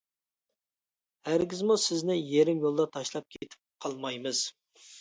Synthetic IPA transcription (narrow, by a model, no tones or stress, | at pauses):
hæɾɡʲɪzmusɪznɪjeɾɪmjolˠd̪ɑt̪ʰɑʃlˠɑp̚kʲʰet̪ʰɪ̥p̚qʰɑlˠmɑjmɨz̥